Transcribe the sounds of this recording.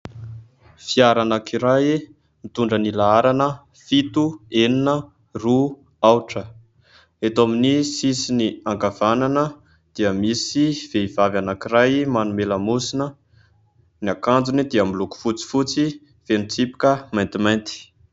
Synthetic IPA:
fiaɾanakiɾaj | mit̪uɳɖ͡ʐənilaaɾanə | fit̪ueninə | ru | awʈ͡ʂə | et̪aminisisiniaŋkavananə | d̪̥iəmisiv̥eivavanakiɾajmanumeləmusinə | niakand͡zunid̪iəmiluku̥fut͡si̥fut͡si | v̥enit͡sipi̥kəmajnt̪imajnt̪i̥

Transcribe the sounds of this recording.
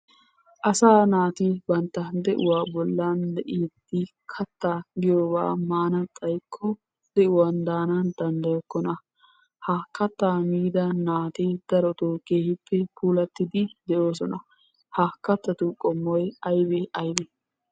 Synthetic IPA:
ʔɐsaːnaːt̪ibɐnt̪ːɐd̪ɛʔʊ̰waːbɔlːand̪ɛʔiːd̪ːɪ | kʰɐt̪ːaɡɪjoːba̰ːmaːnɐtʼɐjkʰːɔ | d̪ɛʔʊwand̪aːnɐnd̪ɐnd̪ɐjɔkːɔnɐ | haːkːɐt̪ːaːmiːd̪ɐnaːt̪id̪̥ɐɾɔt̪oːkeːhɪpːɛpʰuːlɐt̪ːɪd̪ɪd̪ɛʔoːsɔnɐ | hakːɐt̪ːɐt̪ukʼɔmːɔjɐjbɛʔɐjbɛ

